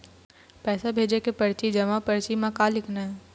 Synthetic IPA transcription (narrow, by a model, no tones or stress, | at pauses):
pɛːsabʱeːd͡ʒekepɐɾt͡ʃid͡ʒɐmapɐɾt͡ʃimãkalɪkʰnaɦɛ